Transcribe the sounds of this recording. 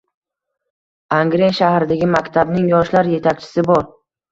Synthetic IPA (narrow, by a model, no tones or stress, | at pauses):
aŋɡɾenʃahɾɪd̪aɡʲɪmakʲt̪ʰabnɪŋjɒʃlaɾje̞t̪ʰakʲt͡ʃʰɪ̥sɪbɒɾ